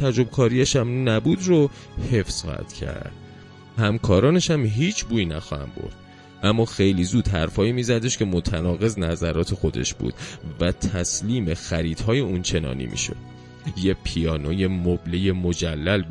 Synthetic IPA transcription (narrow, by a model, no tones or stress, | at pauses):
t̪ʰæd͡ʒo̞bkʰɒːɾiæʃæmnæbuːd̪ro | he̞fsxɒ̰ːhæ̰d̪̥cʰæ̰ɾd̪̥ | hæmkʰɒːɾɒːne̞ʃæmɦiːt͡ʃʰbuːiːnæxɒ̰hæ̰mbo̰ɾd̪̥̚ | ʔæmːɒːxejliːzuːd̪̥ɦæɾfɒːimiːzæd̪e̞ʃkʲʰe̞mot̪ʰænɒːɣe̞znæzæɾɒːt̪ʰe̞xo̞d̪e̞̰ʃb̥ṵːd̪̥væt̪ʰæsliːmexæɾiːd̪̥ɦɒːje̞uːnt͡ʃʰe̞nɒ̰ːnḭːmḭːʃo̞̰d̪̥ | jepʰijɒːnoje̞moblejemod͡ʒælːælb